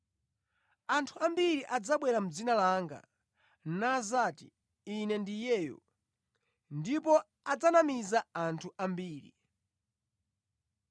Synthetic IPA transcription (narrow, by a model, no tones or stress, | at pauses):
antʰuambiɾiʔad͡zaɓwɛɾam̩d͡zinalaŋɡa̰ | nazatḭ | inɛndijɛːjɔ̰ | ndip̬ɔ | ad͡zanamizaantʰuʔambiːɾḭ